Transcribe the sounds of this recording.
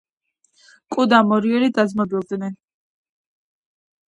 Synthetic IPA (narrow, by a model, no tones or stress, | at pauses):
kʼud̪amɔɾiɔlid̪azmɔbilˠd̪nɛn